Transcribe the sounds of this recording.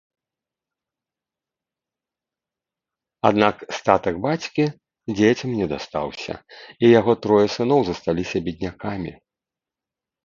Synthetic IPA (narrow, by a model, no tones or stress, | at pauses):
ad̪nakst̪at̪ɐɡbat͡sʲkʲi | d͡zʲet͡sʲɐmnʲɛd̪ast̪a̰wsʲɐ̰ijaɣɔt̪ɾɔjɐsɨnɔwzɐst̪alʲisʲɐbʲid̪̚ʲnʲakamʲḭ